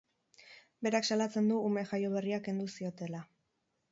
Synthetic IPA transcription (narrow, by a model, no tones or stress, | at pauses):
be̞ɾaksalat͡se̞nd̪uːme̞ʝajo̞βe̞riake̞nd̪usio̞t̪e̞la